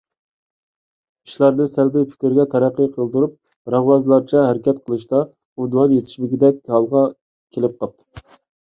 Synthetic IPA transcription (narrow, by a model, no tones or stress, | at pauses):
iʃlˠɑɾnɨsælbɪjpʰɪ̥kʲɾɡʲɛt̪ʰɛɾæqːəjqʰəlˠd̪uɾup̚ | ɾɑʁwɑzlˠɑɾt͡ʃʰɛɦæɾɪkʲɛt̪qʰəlˠɨʃt̪ɑ | ud̪wɑnjet̪ʰɪ̥ʃmɪɡʲid̪ɛk̚ʲɑlˠʁɑ | kʲʰelɪp̚qɑp̚t̪ʰu̥